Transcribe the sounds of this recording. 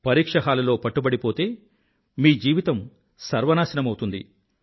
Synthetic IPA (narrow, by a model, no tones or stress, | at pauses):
pɐɾiːkʂɐɦaːlɐlo̞ːpɐʈːubɐɽipoːt̪e̞ː | miːd͡ʒiːʋit̪ɐm | sɐɾʋɐnaːsɐnɐmɐwt̪und̪ḭ